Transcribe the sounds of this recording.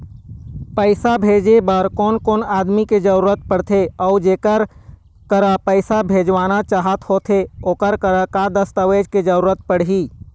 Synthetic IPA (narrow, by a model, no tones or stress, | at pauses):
pəɪsabʱeːd͡ʒebəɾkoːnkoːnaːd̪miked͡ʒəɾuːɾət̪̚pəɽt̪ʰeɔːd͡ʒeːkəɾ | kəɾəpəɪsabʱeːd͡ʒʋaːnat͡ʃaːɦət̪hoːt̪ʰeoːkəɾkəɾəkad̪əst̪əʋeːd͡ʒked͡ʒəɾuːɾət̪̚pəɽ̤ɦiː